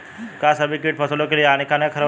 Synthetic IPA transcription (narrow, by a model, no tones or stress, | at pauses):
kasəbikiːʈ̚pʰəsəlokeliaɽ̃ikanjakʰəɾə